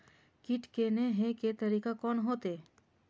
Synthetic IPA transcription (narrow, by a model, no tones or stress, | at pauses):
kɪʈkeneɦeket̪ɐɾiːkakɔːnɦoːt̪e